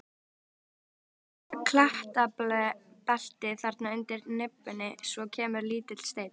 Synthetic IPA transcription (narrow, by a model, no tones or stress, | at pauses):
kʰlaht̪aplɛpɛl̥t̪ɪθaɾt̪naʏnt̪ɪɾnɪpːʏnːɪsvɔcʰɛːmʏɾliːt̪ɪt̪l̥st̪eːjt̪